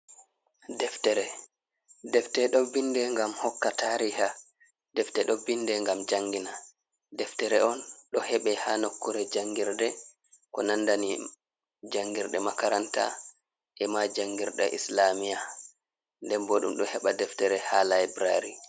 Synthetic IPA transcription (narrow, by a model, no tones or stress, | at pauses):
dɛftɛɾɛ | dɛftɛɗɔbindɛŋɡamhɔkːataɾiha | dɛftɛɗɔbindɛŋɡamd͡ʒaŋɡina | dɛftɛɾɛʔɔnɗɔhɛɓɛhanokːuɾɛd͡ʒaŋɡiɾdɛ | kɔnandani | d͡ʒaŋɡiɾɗɛmakaɾanta̰ | ʔɛmad͡ʒaŋɡiɾɗa̰ʔḭslamija | ndɛmboɗṵmɗɔhɛɓadɛftɛɾɛhalajbɾaɾi